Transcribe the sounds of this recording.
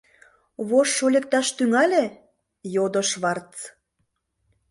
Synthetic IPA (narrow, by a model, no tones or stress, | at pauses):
βoʃːolʲek̚t̪ɑʃt̪yŋɑlʲe | jod̪əʃβɑrt͡s